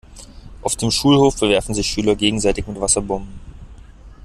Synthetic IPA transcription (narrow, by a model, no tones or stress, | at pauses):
ʔaʊfd̥eːmʃuːlhoːfbɛɐvɛɐfn̩zɪçʃyːlɐɡeːɡŋ̩zaɪtɪçmɪtv̥asɐbɔmbm̩